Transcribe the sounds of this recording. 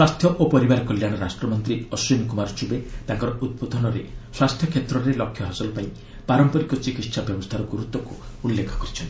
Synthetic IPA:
swast̪ʰjɔʔopɔɾibaɾɔkɔljaɽ̃ɔɾasʈɾɔmɔnt̪ɾiɔswinkumaɾɔt͡ʃubet̪aŋkɔɾɔʔud̪̚bod̪ʱɔnɔɾeswast̪ʰjɔkʰjet̪ɾɔɾelɔkʰːjɔɦasɔlɔpaĩ | paɾɔmpɔɾikɔt͡ʃikit̪sabjɔbɔst̪ʰaɾɔɡuɾut̪wɔkuulːekʰːɔ̥kɔɾit͡ʃʰɔnt̪i

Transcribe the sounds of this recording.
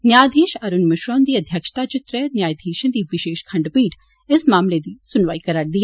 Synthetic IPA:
njaːjd̪ʱĩːʃɐɾunmɪʃɾoːnd̪iːɐd̪ʱjɐkʃə̥t̪aːt͡ʃɪt̪ɾənjaːjd̪ʱĩːʃə̃nd̪iːʋɪʃeːʃkʰɐ̃ɳɖpiːʈʰ | ɪsmaːmled̪iːsʊnʋaːikɐɾaːɾd̪ija

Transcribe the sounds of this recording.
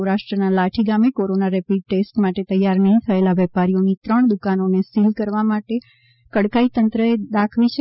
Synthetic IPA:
ɾaʃʈɾənalaʈʰiɡamekoɾonaɾepiɖ̚ʈesʈmaʈet̪əjːaɾnəɦĩt̪ʰəelaʋɛpaɾijonit̪ɾəɳd̪ukanonesilkəɾʋamaʈe | kəɽkait̪ənt̪ɾəed̪akʰʋit͡ʃʰe

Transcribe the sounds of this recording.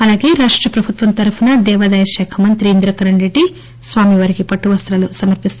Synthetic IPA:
ɐlaːɡeːɾaːʂʈɾɐpɾɐbʱut̪ʋɐmt̪ɐɾupunɐd̪ɛːʋɐd̪ɐjɐʃɛːkʰɐmɐnt̪ɾiːnd̪ɾɐkɐɾɐɳɾeɖːi | sʋaːmiʋɐːɾikipɐʈːuʋɐst̪ɾɐlusɐmɐɾpist̪

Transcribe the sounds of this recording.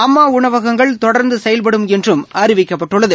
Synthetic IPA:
ɐmːaːʊɳɐʋɐɣɐŋɡɐɭt̪ɔɽɐɾnd̪ɯsɐjɐlp̬ɐɽɯmɛndrɯmaːɾɪʋɪkːɐpːɐʈːɯɭːɐðɯ

